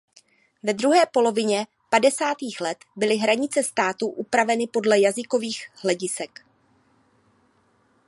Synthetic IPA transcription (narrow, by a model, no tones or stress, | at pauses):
vɛd̪ɾuɦɛːpo̞lo̞vɪɲɛ | padɛsaːt̪iːxlɛt̪bɪlɪɦɾaɲɪt͡sɛst̪aːt̪uʔupɾavɛnɪpo̞dlɛjazɪko̞viːxhlɛɟɪsɛk